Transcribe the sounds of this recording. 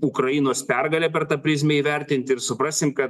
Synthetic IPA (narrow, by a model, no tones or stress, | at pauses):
ʊkɾɐjɪnoːspʲɛrɡɐlʲɛːpʲɛɾt̪ɐpʲɾʲɪzʲmʲɛiːʋʲɛɾʲt̪ʲɪnʲt̪ʲɪɾsʊpɾɑːsʲɪmkɐt̪